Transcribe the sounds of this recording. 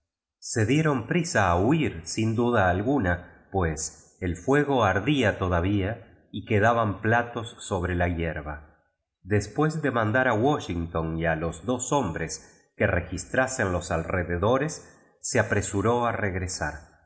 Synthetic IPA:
se̞ðje̞ɾo̞mpɾisaːuiɾsind̪uðaːlɣunapwes | elfwe̞ɣo̞aɾðiat̪oðaβ̞ia | ikeð̞aβamplat̪o̞sːo̞β̞ɾelajeɾβa | ðespwe̞zðe̞mãnd̪aɾawoʃiŋt̪o̞nialo̞zðoso̞mbɾes | kerexist̪ɾase̞nlo̞salreðeðo̞ɾe̞sː | eapɾe̞suɾo̞areɣɾesa̰ɾ

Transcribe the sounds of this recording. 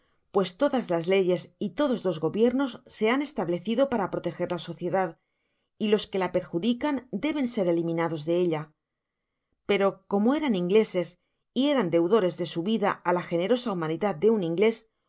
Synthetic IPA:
pwe̞st̪o̞ðazlazle̞ʝe̞sit̪o̞ðo̞zlo̞zɣo̞βje̞ɾno̞sːe̞ane̞st̪aβle̞θiðo̞paɾapɾo̞t̪e̞xe̞ɾlaso̞θje̞ðað | ilo̞ske̞lape̞ɾxuðikand̪e̞βe̞nse̞ɾelimĩnaðo̞zðe̞e̞ʎa | pe̞ɾo̞ko̞moe̞ɾaniŋɡle̞se̞s | ie̞ɾand̪e̞wðo̞ɾe̞zðe̞suβiðaalaxe̞ne̞ɾo̞saumaniðað̚d̪e̞unĩŋɡle̞s

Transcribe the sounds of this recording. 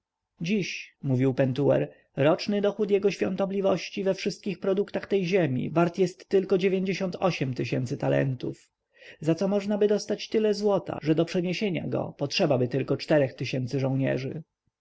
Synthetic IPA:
d͡ʑiɕmuvʲiwpɛnt̪uɛ̰ɾ | ɾɔt͡ʂnɘd̪ɔxut̪jɛɡɔɕfʲjɔ̰̃nt̪ɔblʲivɔɕt͡ɕivɛfʂɘst̪̚kʲixpɾɔd̪ukt̪axt̪ɛjʑemʲḭvaɾt̪jɛst̪ːɘlkɔd͡ʑevʲjeɲd͡ʑeɕɔnt̪ʰɔɕɛmt̪ɘɕɛ̰nt̪sɘt̪alɛ̰nt̪uf | zat̪sɔmɔʐnabɘd̪ɔst̪at͡ɕt̪ɘlɛzwɔt̪a̰ʐɛd̪ɔpʂɛɲeɕeɲa̰ɡɔ̰pɔtʂɛbabɘt̪ɘlkɔt͡ʂt̪ɛɾɛxt̪ɘɕɛnt̪sɘʐɔ̃w̃ɲɛ̰ʐɘ̰

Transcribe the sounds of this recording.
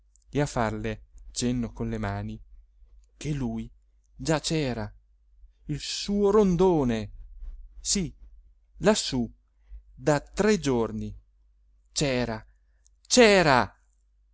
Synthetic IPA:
eafːarlet͡ʃenːokonlemaːni | k̟elːuːj | d͡ʒat͡ʃɛːɾa | ilsuːoɾond̪oːne | si | lasːu | d̪at̪ɾed͡ʒorni | t͡ʃɛːɾa | t͡ʃɛːɾa

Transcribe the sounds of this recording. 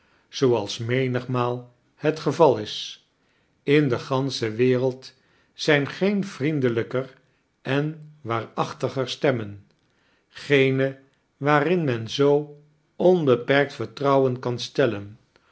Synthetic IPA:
z̥owɑlˠsmejnəχmaːlˠ | hətχəvɑlˠɪs | ɪndəχɑnsəʋɪːrəlˠt | sɛjnχejnv̥rindələkər | ʔɛnʋaːɹɑχtəχəɹstɛmən | χejnə | ʋaːrɪnmɛnzow | ɔnbəpɛɹk̚tfəɹtrɑwənkɑnstɛlən

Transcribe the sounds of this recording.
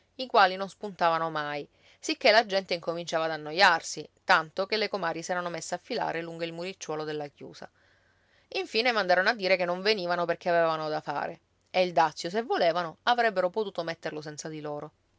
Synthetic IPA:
ikwaːlinonspunt̪aːvanomaj | sik̟ːelad͡ʒɛnt̪eiŋkomint͡ʃaːvaːd̪anːojarsit̪ant̪okelːekomaːɾjisɛːɾanomesːeafːila̰ːɾeluŋɡoilmuɾit͡ʃːwɔːlod̪elːakjṵːsa̰ | iɱfiːnemand̪aːɾonoad̪ːiːɾekenːoɱveniːvanoperk̟eavevanod̪afa̰ːɾe | eild̪at̪sːjos̬evːoleːvanoavɾɛbːeɾopot̪uːt̪omet̪ːerlos̬ɛnt̪sad̪iloːɾo

